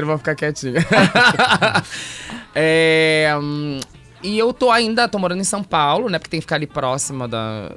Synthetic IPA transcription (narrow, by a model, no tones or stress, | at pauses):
ɾʊvɐ̃wfi̥kakɛt͡ʃĩɲʊ | ɛ | ɪewt̪oaĩnd̪ɐt̪omoɾɐ̃d̪ẽsɐ̃w̃pawlʊnɛpʊ̥ɾket̪ẽkfikaɾalipɾɔsimɐd̪ɐ̰